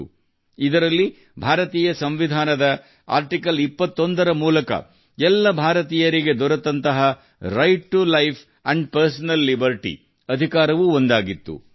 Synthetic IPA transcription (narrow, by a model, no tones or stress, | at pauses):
u | id̪ɐɾɐlːi | bʱaːɾɐt̪iːjɐsɐmʋid̪ʱaːnɐd̪ɐ | a̰ːɾʈikɐlipːɐt̪ːo̞nd̪ɐɾɐmuːlɐkɐ̰ | ɛlːɐbʱaːɾɐt̪iːjɐɾiɡe̞d̪ɔɾɐt̪ːɐnt̪ɐɦɐ | ɾɐjʈ̚ʈulɐjpʰ | ɐɳɖ̚pɐɾs̬ɐnɐlːibɐɾʈḭ | ɐd̪ʱikaːɾɐʋuond̪aːɡit̪ːṵ